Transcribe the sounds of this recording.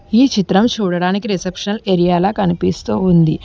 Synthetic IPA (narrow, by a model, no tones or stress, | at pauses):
iːt͡ʃit̪ɾɐmt͡ʃuːɽɐɽaːnikiɾisepʂɐleːɾijaːlaːkɐnipist̪uːund̪i